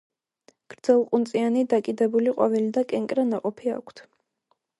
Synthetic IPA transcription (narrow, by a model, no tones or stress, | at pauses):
ɡ̥ɾd̪zɛlˠqʼunt̪sʼianid̪akʼid̪ɛbuliqʼɔvilid̪akʼɛŋkʼɾanaqʼɔpʰia̰kʷʰt̪ʰ